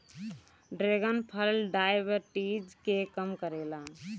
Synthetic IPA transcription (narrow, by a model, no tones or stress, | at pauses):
ɖɾeːɡənpʰəlɖaːɪʋəɾʈiːd͡ʒkekəmkəɾeːlaː